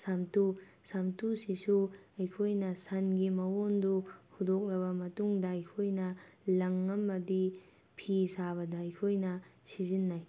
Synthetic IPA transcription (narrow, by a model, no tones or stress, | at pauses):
samtu | samtusisuɐjkʰojnɐsɐnɡimɐwonduhudok̚lɐβɐmɐtuŋdɐɐjkʰojnɐlɐŋɐmːɐdi | pʰisabɐdɐɐjkʰojnɐsizinːaj